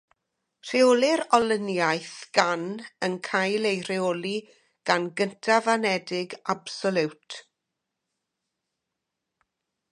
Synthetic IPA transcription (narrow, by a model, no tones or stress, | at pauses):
r̥eolˠɪɾɔlənjajθɡ̥anənkʰajlˠejr̥eoli | ɡ̥anɡəntʰavanɛdɪɡab̥sɔlˠɪwtʰ